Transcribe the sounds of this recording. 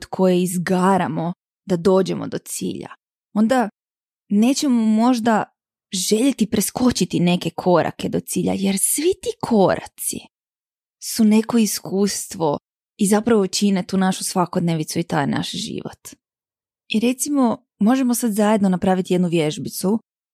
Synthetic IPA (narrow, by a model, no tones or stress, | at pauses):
d̪kʰo̞jeizɡaːɾamo̞ | d̪ad̪o̞ːd͡ʑe̞̰mo̰d̪ot̪sḭːʎa̰ | o̞nd̪a | ne̞ːt͡ɕe̞momo̞ʒd̪a | ʒe̞ʎet̪ipɾe̞sko̞t͡ɕit̪ine̞ke̞kʰo̞ɾʔa̰ke̞d̪o̞t̪siːʎa̰je̞ɾsʋit̪iːkʰo̞ɾʔa̰t̪sḭ | sune̞ko̞iskʰuːst̪ʋo̞ | izapɾaʋot͡ʃinet̪uːnaʃusʋako̞d̪neʋit̪suit̪ajna̰ʃʒḭʋo̰t̪ | iɾe̞t̪simo̞ | mo̞ʒe̞mosad̪zajed̪nonapɾaːʋit̪ije̞d̪nuʋje̞ʒbit̪su